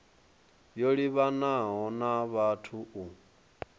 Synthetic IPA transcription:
joɺiβanaɦɔnaβatʰuu

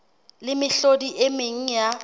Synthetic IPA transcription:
lɪmɪɬodiʔemeŋ̩ja

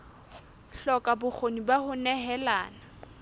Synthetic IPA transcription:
ɬɔkʼabʊk͡xʰonibahʊnɛɦɛlaːna

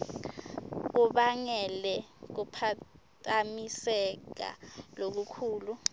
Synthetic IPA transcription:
k̬uɓaŋɛlɛk̬upʰatʼamisɛk̬a̰lok̬ukʰuːlu

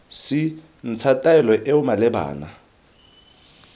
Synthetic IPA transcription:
sɪ | n̩t͡sʰatʼaɛlɔʔɛʊmalɛba̰ːna

